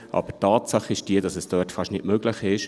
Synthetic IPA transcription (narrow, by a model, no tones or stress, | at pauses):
ʔɑ̰b̥ətɑːtsɑχɪʃd̥iəd̥ɑsɛsd̥œːtfɑʃnɪtmøɡ̥lɪχɪʃ